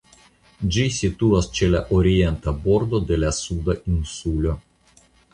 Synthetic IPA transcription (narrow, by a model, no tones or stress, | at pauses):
d͡ʒisʲit̪uɐst͡ʃɛlʲɛʔɔɾʲiɛnt̪ɐbɔɾd̪od̪elʲɛsud̪ɐʔinsulʲɔ